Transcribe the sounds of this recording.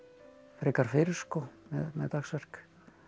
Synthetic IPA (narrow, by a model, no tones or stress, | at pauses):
fɾɪːkaɾ̥fɪːɾɪɾ̥skɔmɛðmɛ̰ðt̪axsvɛr̥k